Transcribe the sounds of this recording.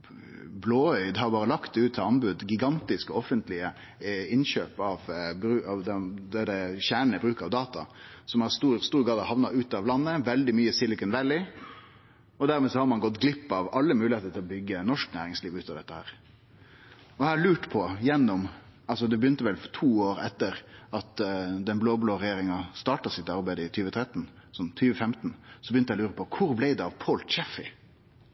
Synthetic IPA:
bloːœʏd̪hɑːɾbɑːɾəlɑkt̪̚d̪ɛʉːt̪ʰːɪlɑnbʉd̪ɡɪɡɑnt̪ɪskɔɔfənt̪lɪə | ɪnɕøːpɑʋbɾʉɑʋd̪ɛd̪ɛd̪ɛçæːɳəbɾʉːkɑʋd̪ɑːt̪ɑ̰sɔmɑst̪uːɾst̪uːɾɡɑːd̪ɑhɑʋnɑʉːt̪ɑʋlɑnːəʋɛld̪ɪmyːəsɪlːɪkʉnʋɛlːɪ | ɔd̪æːɾmeːsɔhɑɾmɑnɡɔt̪ɡlɪpːɑʋɑlːəmʉːlɪheːt̪əʈ̪ʰɪlɔbʏɡːənɔʂknæ̰ːɾɪŋsliːʋʉːt̪ːɑʋd̪ɛt̪ːəhæ̰ːɾ | ɔæːɭʉːʈpʰɔjɛnːɔmɑlsɔd̪ɛbəjʏnt̪əʋɛlt̪ʰuːoːɾɛ̰t̪ːəɾɑt̪d̪ɛnbloːbloːɾɛjeːɾɪŋɑst̪ɑːʈɑsɪt̪ɑɾbæɪd̪ɪt̪ʰyːʋət̪ʰɾɛt̪ːn̩sɔmt̪ʰyːʋəfɛmt̪n̩sɔbəjʏnt̪ːhæɪlʉːɾəpʰɔkʰʊɾblæɪd̪ɛɑʋpʰoːlt̪t͡ʃɛfɪ

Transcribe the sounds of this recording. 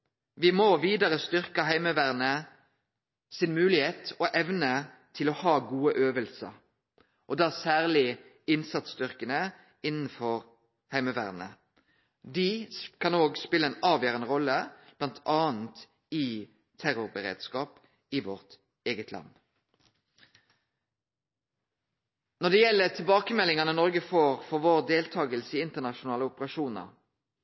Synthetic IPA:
ʋɪmoʋiːd̪ɑʁəst̪ʏʁkəɦæɪməʋæːʁnə | sɪnmʉːlɪheːt̪ɔʔɛʋnə | t̪ʰɪlɔhɑːɡuːəʔøːʋəlsə̰ʁ | ʔɔd̪ɑːsæːʁlɪ | ɪnsɑt̪sd̪ʏʁkənə | ɪnn̩fɔʁ | hæɪməʋæ̰ːʁnə̰ | d̪ikʰɑnoːɡspɪləeːnɑːʋjøːʁənəʁɔlːəb̥lɑnt̪ʰɑːən̩t̪ | ɪ | t̪ʰæʁʊʁbəʁḛːd̪skɑːp | ɪʋɔʁt̪ | eːɡət̪ʰlɑ̰n | nɔd̪ɛjɛlːət̪ʰɪlbɑːkəmɛlːɪŋɑnənɔʁɡəfoːʁfɔʁʋoːʁd̪eːlt̪ʰɑːɡəlsəɪɪnt̪ənɑʃʊnɑːləʊpəʁɑʃuːnɑ̰ʁ

